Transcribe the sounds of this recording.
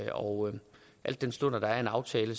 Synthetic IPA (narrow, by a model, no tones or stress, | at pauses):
ɒʊ | ʔæl̰d̥ːensd̥ɔn̰ɐd̥ɑ̈æɐe̝nɑ̈ʊt͡sʰɛːləs